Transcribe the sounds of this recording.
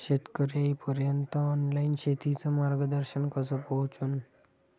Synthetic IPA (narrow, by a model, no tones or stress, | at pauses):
ɕet̪kəɾaipəɾjənt̪əɔnlainɕet̪it͡səmaɾɡəd̪əɾɕənkəsəpɔɦt͡sun